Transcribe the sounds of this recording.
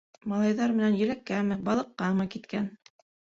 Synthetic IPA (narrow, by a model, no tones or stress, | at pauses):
mɑlˠɑjðɑɾmɘ̆nænjɘ̆lækːæmɘbɑlˠɤ̆qːɑmɤkit̪kæn